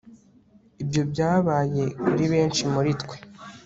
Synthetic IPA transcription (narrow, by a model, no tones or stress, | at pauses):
ibjo̞bɟaːβaːje̞kuɾiβe̞ːnt͡ʃimuɾitkwe